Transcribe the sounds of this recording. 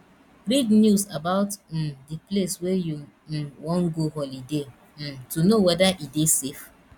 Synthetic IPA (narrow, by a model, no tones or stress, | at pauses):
ɾidnjuzabaʊtm̩diplesweju | m̩wɔ̃ŋ̩ɡoɦɔlide | m̩tunowɛdaʔidesef